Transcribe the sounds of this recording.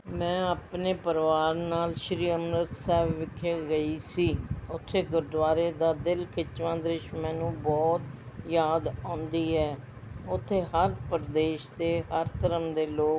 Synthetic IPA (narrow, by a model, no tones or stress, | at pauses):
mɛ̃ːaːpneːpəɾʋaːɾnaːlʃɾiːəmnəɾt̪sɛːbʋɪkʰːeːɡəiːsiːʊt̪ʰːeːɡəɾɖ̪ʋaːɾeːd̪aːd̪ɪlkʰɪt͡ʃʋãːd̪ɾɪʃmɛ̃ːnũːbɔːt̪ | jaːd̪ãːnd̪iːɦɛː | ʊt̪ʰːeːɦəɾpəɾd̪eːʃd̪eːɦəɾt̪ʰəɾəmd̪eːloː